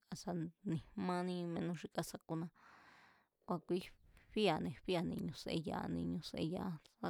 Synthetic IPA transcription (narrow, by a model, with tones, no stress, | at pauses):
a˧sa˧nĩ˨mã˧nĩ˧mẽ˧nũ˧ʂi˧ka˧sa˧ku˧nã˧ | kʷa˧kʷi˦ɸi˦a˨nẽ˧˨ɸi˦a˨nĩ˧ɲũ˧sḛ˧ja̰˧nĩ˧ɲũ˧sḛ˧ja˧˦sa˦˧